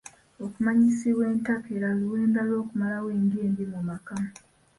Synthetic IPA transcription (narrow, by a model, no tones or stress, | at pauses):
okumaɲisiβwe̞ːntakeɾaluweːndalo̞ːkumalawe̞ːŋɡeːnbimumakama